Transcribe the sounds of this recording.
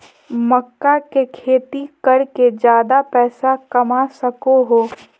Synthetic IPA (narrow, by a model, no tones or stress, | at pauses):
mɐkːakekʰeːt̪ikɐɾked͡ʒjaːd̪apɛːsakɐmasɐkoɦoː